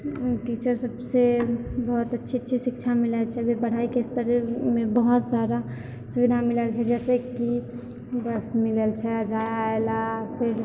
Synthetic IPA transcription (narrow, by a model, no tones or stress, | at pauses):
ʈit͡ʃəɾsəbsebəɦut̪ətːʃʰitːʃʰisik̚t͡ʃʰamilɛt͡ʃʰɛbebəɽ̤aikest̪əɾɛmebəɦut̪saɾa | subid̪ʱamilɛlt͡ʃʰɛd͡ʒɛsekːi | bəsmilelt͡ʃʰɛd͡ʒajaelapʰeɾ